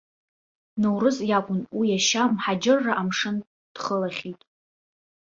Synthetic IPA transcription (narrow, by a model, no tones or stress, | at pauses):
nɨwrɨzjakʷʼʊnwijaʃamħad͡ʒɪrːaʔamʂɨn | d̥χəlaχʲitʼ